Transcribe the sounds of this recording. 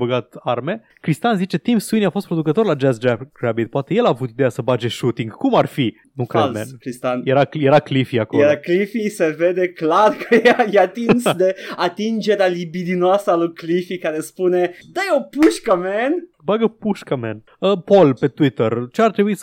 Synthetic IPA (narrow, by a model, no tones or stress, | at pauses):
bəɡat̪arme̞ | kɾist̪anzit͡ʃe̞t̪imsuiniafost̪̚pɾo̞d̪ukət̪o̞rlad͡ʒɛsd͡ʒapɡɾabit̪̚poat̪e̞je̞laːvut̪id̪ejasəbad͡ʒe̞ʃut̪iŋɡkumarfi | nukɾelmenkɾist̪anjeɾajeɾaklifiakoeɾaklifiseved̪eklarkəjeajeat̪innsd̪eat̪ind͡ʒeɾealibid̪inoasalujklifikaɾespuned̪ajopuʃkamɛn | baɡəpuʃkəmɛn | əpo̞lpe̞t̪wit̪ərt͡ʃeart̪ɾebuis